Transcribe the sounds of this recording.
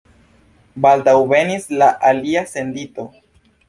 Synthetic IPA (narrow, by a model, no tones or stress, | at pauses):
baldawve̞nislaʔaliase̞ndito̞